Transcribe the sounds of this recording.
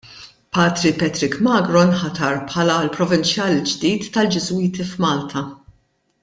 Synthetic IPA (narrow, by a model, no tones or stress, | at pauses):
pɐːt̪ɾipɛt̪ɾɪkmɐːɡɾɔnħɐt̪ɐɾpħɐːlɐlpɾɔvɪnt͡ʃjɐːld͡ʒd̪iːt̪ːɐld͡ʒɪzʊiːt̪ifmɐːlt̪ʰɐ